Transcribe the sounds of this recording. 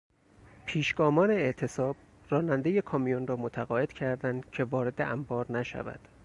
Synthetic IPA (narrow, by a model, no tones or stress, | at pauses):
pʰiːʃɡ̥ɒːmɒːne̞eʔt̪ʰe̞sɒːb̥ | rɒːnænd̪e̞je̞kʰɒːmijonrɒːmot̪ʰæɣɒːe̞d̪̥cʰæɾd̪ænd̪cʰe̞vɒːɾe̞d̪eʔæmbɒːɾnæʃæ̰væ̰d̪̥